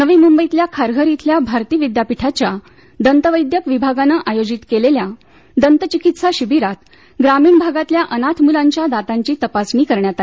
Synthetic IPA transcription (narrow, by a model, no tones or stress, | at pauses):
nəʋiːmumbəit̪ljakʰaɾɡʱəɾit̪ljabʱaɾt̪iːʋid̪japiʈʰat͡ɕja | d̪ənt̪əʋəjd̪jəkʋibʱaɡanəʔajod͡ʑit̪kelelja | d̪ənt̪ət͡ɕikit̪saɕibiɾat̪ | ɡɾamiːɳbʱaɡat̪ljaʔənat̪ʰmulaɲt͡ɕjad̪at̪ãɲt͡ɕiːt̪əpasɳiːkəɾɳjat̪a